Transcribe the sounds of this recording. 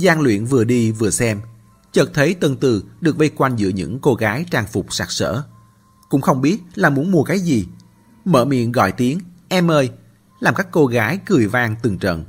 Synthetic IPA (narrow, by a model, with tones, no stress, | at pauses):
zaː˧ŋlwḭ˧˨ənvɨ˨˩əɗi˧vɨ˨˩əsɛ˧m | t͡ɕə˨˩t̚t̪ʰə˨˦jt̪wə˨˩nt̪ɨ˨˩ɗɨ˨˩ək̚və˧jkwa˧jŋ̟zɨ̰˧˥əɲɨ̰˧˥ŋko˧ɣaː˨˦jt͡ɕaː˧ŋfʊ˨˩k͡p̚saː˦˥k̚sə̰ː˧˥ | kʊ̰˧˥ŋ͡mxə˧wŋ͡mɓi˦˥ət̚laː˨˩mu˨˦ənmu˧˩əkaː˨˦jzi˨˩ | mə̰ː˧˨mḭ˧˨ənɣɔ̰˧˨jt̪i˨˦əŋʔɛ˧mːəː˧j | laː˨˩mkaː˦˥kːo˧ɣaː˨˦jɣɨ˨˩əjvaː˧ŋt̪ɨ˨˩ŋt͡ɕə̰˧˨n